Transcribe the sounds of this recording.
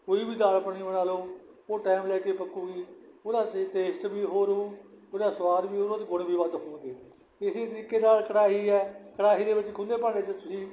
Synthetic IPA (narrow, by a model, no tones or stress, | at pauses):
koːiːbiːd̪aːlpəɽ̃iːbəɽ̃aːloː | oːʈɛːmlɛːkeːpəkuːɡiːoːd̪aːʈeːsʈbiːɦoːɾuː | oːd̪aːsʋaːd̪biːɦoːɾoːt̪eːɡʊɽbʱiːbad̪ɦõːɳɡ̪eː | ɪseːt̪əɾiːkeːnaːlkəɽaːɦiːɛːkəɽaːɦiːd̪eːʋəɪt͡ʃkʰʊ̃ːnd̪eːpaːeːt͡ʃət̪ʊsĩː